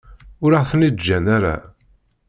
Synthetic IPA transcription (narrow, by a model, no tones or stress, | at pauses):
ʊɾəʁθənid̪d͡ʒːænaɾa̰